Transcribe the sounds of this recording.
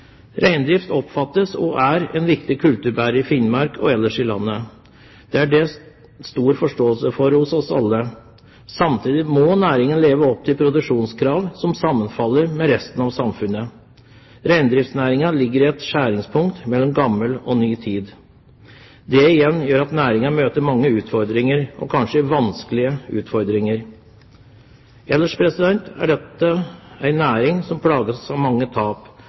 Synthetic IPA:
ɾʔæɪnd̪ɾɪft̪ɔpfɑt̪ːəsɔ̰ʔæɾɛ̰nʋɪkt̪ɪkʰʉlt̪ʉɾbæɾəɪfɪnmɑɾkʰɔɛlːəʂɪlɑ̰nːə | d̪̥ɛæɖɛ | st̪uːɾfɔʂʈoːəlsəfɔɾhʊsɔsɑ̰lːə | sɑmt̪ʰiːd̪ɪmɔnæːɾɪŋənleːʋəɔp̚t̪ʰɪlpʰɾʊd̪ʉʂuːnskʰɾɑːʋsɔmsɑmːənfɑlːəɾmɛɾɛst̪ənɑʋsɑmfʉnːə | ɾæɪnd̪ɾɪft̪snæːɾɪŋɑlɪɡːəɾɪɛt̪ʂæːɾɪŋspʰʊŋkt̪mɛlːɔmɡɑmːəlɔnyːt̪ʰiːd̪ | d̪ɛɪjɛnːjøːɾɑt̪næːɾɪŋɑmøːt̪əɾmɑŋːəʉːt̪fɔɾd̪ɾɪŋəɾʔɔ̰kʰɑnʂəʋɑnskəlɪəʉ̰ːt̪fɔɾd̪ɾɪŋəɾ | ɛlːəʂpʰɾɛsɪd̪ɛnt̪æ̰ɖɛt̪ːəæɪnæːɾɪŋsɔmpʰlɑːɡəsɑʋmɑŋːət̪ʰɑːp

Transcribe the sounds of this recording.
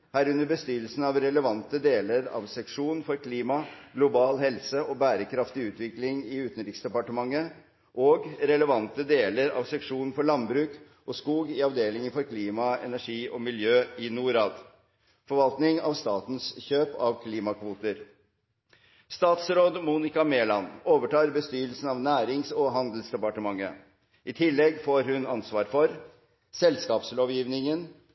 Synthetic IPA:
hæːɾʉnəɾbəst̪yːɾəlsn̩ɑʋɾɛləʋɑnt̪əd̪eːləɾɑ̰ʋsɛkʂuːnfɔɾkʰliːmɑɡ̥lʊbɑːlhɛlsəɔbæːɾəkʰɾɑft̪ɪʉːt̪ʋɪklɪŋɪʉːt̪n̩ɾɪksd̪ɛpɑʈəmɑŋːə | ʔoːɡɾɛləʋɑnt̪əd̪eːləɾɑ̰ːʋsɛkʂuːnfɔɭɑnbɾʉːk | ʔɔskuːɡɪɑʋd̪eːlɪŋənfɔɾkʰliːmɑɛ̰næʂiːʔɔmɪljøːɪnuːɾɑːd̪ | fɔɾʋɑlt̪nɪŋɑ̰ʋst̪ɑːt̪n̩sçøːpɑ̰ʋkʰliːmɑkʰʋuːt̪əɾ | st̪ɑːt̪sɾoːd̪muːnɪkɑmeːlɑnoːʋəʈɑːɾbəst̪yːɾəlsn̩ɑʋnæːɾɪŋsɔɦɑnd̪l̩sd̪ɛpɑʈəmɑŋːə̰ | ʔɪt̪ʰɪlːɛɡfoːɾɦʉnɑnsʋɑːɾfɔɾ | sɛlskɑːpsloːʋjiːʋnɪŋən

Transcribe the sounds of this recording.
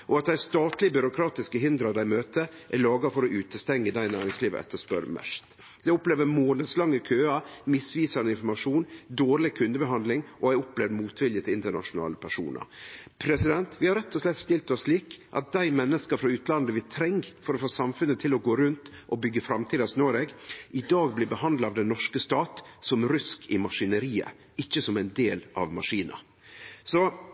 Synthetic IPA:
ʔɔɑt̪̚d̪æɪst̪ɑːt̪lɪəbʏɾʊkʰɾɑːt̪ɪskəɦɪnd̪ɾɑd̪æɪmøːt̪ə | ʔæɭɑːɡɑfɔɾɔʔʉːt̪əst̪ɛŋːəd̪æɪnæːɾɪŋsliːʋə̰ɛ̰t̪ʰːəʂpœ̰ɾmɛ̰ʂt̪ | d̪ɛɔpleːʋəmoːnəslɑŋːəkʰøːɑmɪsʋiːsɑnəɪnfɔɾmɑʂuːnd̪oːɾɭɪkʰʉnd̪əbəɦɑnd̪lɪŋʔɔæɪɔpleːʋəmuːt̪ʰʋɪljət̪ʰɪlɪnt̪əɳɑ̰ʂʊnɑ̰ːləpʰæʂṵːnə̰ɾpʰɾɛsɪd̪ɛnt̪ʋɪhɑɾɛt̪ʰːɔslɛt̪st̪ɪlt̪ɔsʂliːkʔɑ̰t̪̚d̪æɪmɛnːəskəfɾɑʉːt̪lɑnd̪əʋɪt̪ʰɾɛŋɡfɔɾɔfoːsɑmfʉnːət̪ʰɪlɔɡoːɾʉnt̪ | ʔɔbʏɡːəfɾɑmt̪ʰiːd̪ɑsnøːɾeːɡʔɪd̪ɑːɡ̚blɪbəhɑnd̪lɑʋd̪ɛnːɔʂkəst̪ɑːt̪sɔmɾʏskʰɪmɑʂɪnəɾiːə̰ | ɪçːəsɔmæɪnd̪eːlʔɑ̰ʋmɑʂiːnʔə̰ | sɔ

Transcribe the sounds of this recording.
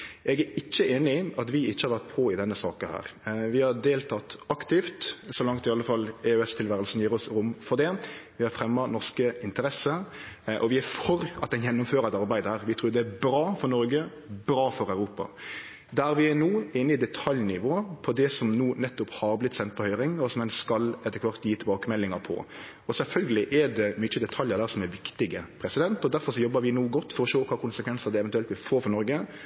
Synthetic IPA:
ɛɡæɾɪt͡ʃːəʔeːnɪɑt̪ʋɪɪt͡ʃːəhɑɾʋæɾt̪̚pʰɔɪd̪ɛnːəsɑ̰ːkɑhæ̰ːɾʋɪhɑɾd̪eːlt̪ʰɑt̪ɑkt̪ɪft̪sɔlɑŋkt̪ɪɑlːəfɑlːɛøɛst̪ʰɪlʋæːɾəlsn̩jiːɾɔsɾʊmfɔɾd̪ɛʋɪhɑɾfɾɛmːɑnɔʁʂkəɪnt̪əɾɛsə | ʔɔʋɪæfɔɾɑt̪̚d̪ɛnjɛnːʊmføːɾəɛt̪ɑɾbæɪd̪əhæːɾʋɪt̪ʰɾuːd̪ɛæbɾɑːfɔɾnɔɾɡə | bɾɑːfɔɾæʉɾuːpɑ̰ | d̪æɾʋɪæɾnuːeːnːəɪd̪ɛt̪ʰɑljnɪʋoːəpʰɔd̪ɛsɔmnuːnɛt̪ːʊphɑɾblɪt̪ːsɛnt̪̚pɔhœʏɾɪŋɔsɔmɛnskɑlɛt̪ːəkʰʋɑɾt̪jiːt̪ʰɪlbɑːkəmɛlːɪŋɑɾpʰɔ̰ | ɔsɛlfœlɡəlɪʔɛd̪ɛmʏt͡ʃːəd̪ɛt̪ʰɑljəɾd̪æːɾsɔmɛʋɪkt̪ɪɡəpʰɾɛsɪd̪ɛnt̪ɔd̪æɾfɔɾʂɔjɔbːəɾʋɪnuːɡɔt̪ːfɔɾɔʃoːkʰʋɑːkʊnsəkʰʋɛnsɑd̪ɛɛʋɛnt̪ʉɛlt̪ʋɪfoːɾfɔɾnɔɾɡə

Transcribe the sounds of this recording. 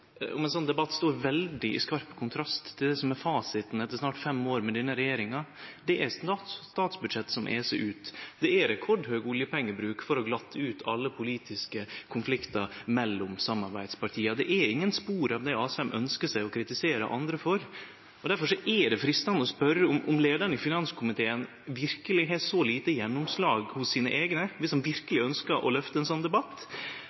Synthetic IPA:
ɔ̰mɛnsɔnd̪ɛbɑt̪ːst̪oːɾʋɛld̪ɪʔɪ̰skɑɾppːkʰʊnt̪ʰɾɑst̪ʰːɪld̪ɛsɔmɛɾfɑːsɪt̪nɛt̪ːəʂnɑːʈfɛmoːɾmɛd̪inːəɾɛjeːɾɪŋɑd̪ɛʔæɾsɑst̪ɑːt̪sbʉd̪ʂɛt̪ːsɔmʔɛ̰ːsɛʔʉːt̪d̪ɛæɾɾɛkʰɔɖhøːɡʊljəpʰɛŋːəbɾʉːkfɔɾɔɡlɑt̪ːʉːt̪ʰɑlːəpʰʊliːt̪ʰɪskəkʰʊnflɪkt̪ɑmɛlːʊmsɑmːɑɾbæɪd̪spɑʈʰiːɑd̪ɛʔæɾɪŋːənspuːɾɑʋd̪ɛɑːsɛmʔœ̰nskəʂæɪɔkʰɾɪt̪ɪseːɾə̰ʔɑ̰nd̪ɾəfɔɾ | ɔd̪æɾfɔʂɔʔɛd̪ɛfɾiːst̪ɑnːɔspœɾːəʊmʔʊmleːd̪əɳəɪfɪnɑnskʰʊmɪt̪ʰeːən | ʋɪɾkəlɪɦɛsɔliːt̪əjɛnːʊmslɑːɡhʊsːiːnə̰ʔeːɡnəʋɪsɔmʋɪɾkəlɪœnskəʔɔ̰lœft̪əɛnsɔnːd̪ɛbɑt̪ː

